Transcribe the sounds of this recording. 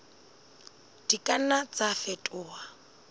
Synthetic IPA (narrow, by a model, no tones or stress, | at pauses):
d̥ikʼanat͡safɛtʼʊːa